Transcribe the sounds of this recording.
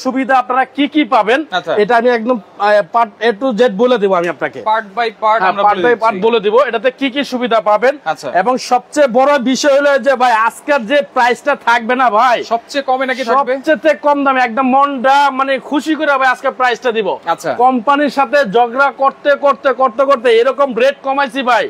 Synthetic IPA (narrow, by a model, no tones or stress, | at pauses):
ʃubid̪ʱaapnaɾakikipabenaaeʈaamiɛk̚d̪ompaɾʈeʈːud͡ʑeʈ̚boled̪iboamiapnakḛpaɾʈ̚bajpaɾɦamapaapaɾʈboled̪iboeʈat̪̬ekik̬iʃubid̪ʱapabenaɕʰaeboŋʃɔb̚t͡ɕejbɔɾobiʃɔeɦuled͡ʑebʱajaskaɾd͡ʑepɾajsʈat̪ʰak̚benabʱajʃɔb̚t͡ɕekɔmenakit̪ʰaʃɔbbet͡ɕet̪ekɔmd̪amiɛk̚d̪omːɔɳɖamanekʰuʃikoɾiabʱajaskaɾpɾajsʈad̪iboatːʃʰakɔmpaniɾʃat̪ʰed͡ʑɔɡɾakoɾt̪ekoɾt̪ekoɾt̪okoɾt̪̬eeɾɔkomɾeʈ̚kɔmajsibʱaj